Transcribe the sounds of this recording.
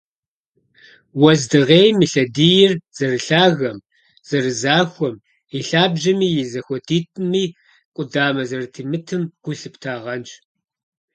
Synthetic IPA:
wɐzdɨʁeːjmiɬɐdijɪrz̥ɐrɨɬaːɣɐm | z̥ɐrɨzaːxʷɔm | iɬaːbʒɐmiːjɪzɐxʷɔdʰiːtʼmiː | kʷʼʊdaːmɐzɐrɨtʰiːmɨtʰɨmɡ̥ʷʊɬɨpʰtʰaːʁɐnt͡ʃʼ

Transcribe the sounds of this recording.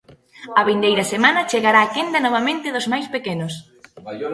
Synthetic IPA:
ɐβind̪ejɾɐsemanɐt͡ʃeɣaɾaːkend̪ɐnɔβamẽnt̪ɪðozmajspekenʊs

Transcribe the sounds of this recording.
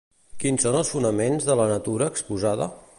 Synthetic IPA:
kinsonəlˠsfunəmenzðələnət̪uɾəːkspuzaðə̰

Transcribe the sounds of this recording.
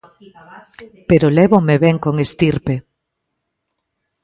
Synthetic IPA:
peɾolɛβomeβɛŋkoŋest̪iɾpe

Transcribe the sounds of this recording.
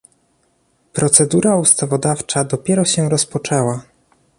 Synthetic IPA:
pɾɔt̪sɛd̪uɾaust̪avɔd̪aft͡ʂad̪ɔpʲjɛɾɔɕɛɾɔspɔt͡ʂɛwa

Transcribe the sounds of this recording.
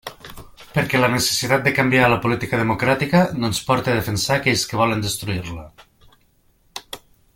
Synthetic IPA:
pəɾkɛlənese̥sit̪at̪̚d̪əkambialəpulit̪ikəðemukɾat̪ikənonspɔɾt̪eað̞efensaːkɛʎskəβ̞ɔlənd̪əst̪ɾuiɾlə

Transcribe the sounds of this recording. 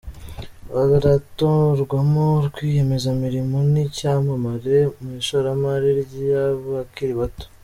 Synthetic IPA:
βaβaɾatoɾɡwamoɾɡwiːje̞me̞zamiɾimonicamamaɾemuiʃoɾamaɾiɾɟaβakiɾiβato̥

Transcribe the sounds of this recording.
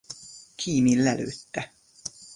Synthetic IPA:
kʰiːmilːæly̰t̪ːæ

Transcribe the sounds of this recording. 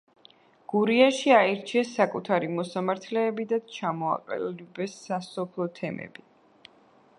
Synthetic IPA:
ɡ̥uɾiaʃiaɛɾt͡ʃʰiɛsːakʼut̪ʰaɾimɔsamaɾt̪ʰlɛːbid̪at͡ʃʰamɔa̰qʼɛ̰llibɛsːasɔpʰlˠɔt̪ʰɛmɛ̰b̥i

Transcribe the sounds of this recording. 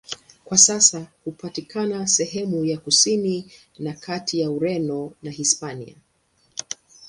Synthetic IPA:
kwasasahupatikʰanasɛɦɛmujakusini | nakʰatʰijauɾɛnɔnahispanḭa̰

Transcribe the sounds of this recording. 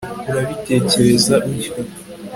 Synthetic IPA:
uɾaβite̞ːceɾe̞zaʔuɾo

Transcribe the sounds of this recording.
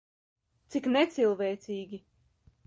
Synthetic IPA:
t̪siknɛt̪silˠvɛjt̪siːɡʲi

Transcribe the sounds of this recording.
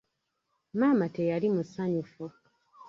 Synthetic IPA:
maːmatejalimusaɲufo

